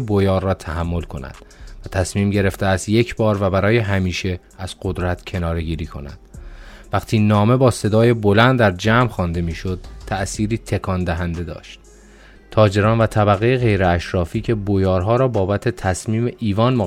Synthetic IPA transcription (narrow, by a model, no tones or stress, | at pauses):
bojɒːɾːɒːt̪ʰæhæmːo̞lkʰo̞næ̰d̪̥væt̪ʰæsmiːmɟe̞ɾe̞ft̪eæst̪je̞cʰbɒːɾvæbæɾɒːje̞ɦæmiːʃe̞ | æz̥ɢod̪ɾæt̪ʰcʰe̞nɒːɾe̞ɟiːɾiːkʰo̞̰næ̰d̪̥væqt̪ʰiːnɒːme̞bɒːse̞d̪ɒːje̞bo̞lænd̪d̪æɾd͡ʒæːmxɒːnd̪e̞miːʃo̞d̪̥̚t̪ʰæʔsiːɾiːt̪ʰe̞kʰɒnd̪æɦænd̪e̞d̪ɒ̰ːʃt̪̚ | t̪ʰɒːd͡ʒe̞ɾɒːnvæt̪ʰæbæɣejeɣe̞jɾeæʃɾɒːfiːcʰe̞bojɒːɾɦɒːɾɒːbɒːbæt̪ʰe̞t̪ʰæsmiːmeʔiːvɒːnmo